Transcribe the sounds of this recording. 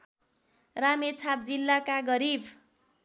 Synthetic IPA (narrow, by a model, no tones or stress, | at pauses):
ramet͡sʰap̚d͡zilːakaɡʌɾibʱ